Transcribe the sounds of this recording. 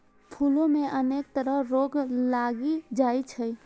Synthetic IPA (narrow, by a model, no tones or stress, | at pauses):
pʰuːlõmẽʔəneːk̚t̪əɾəɦɾoːɡlaːɡid͡ʒaːit͡ʃʰə